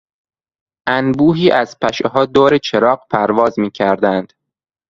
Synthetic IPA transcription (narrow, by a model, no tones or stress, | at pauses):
ʔænbuːɦiːʔæz̥pʰæʃeɦɒːd̪oːɾet͡ʃʰe̞ɾɒːɢpʰæɾvɒːzmiːcʰæɾd̪ænd̪̥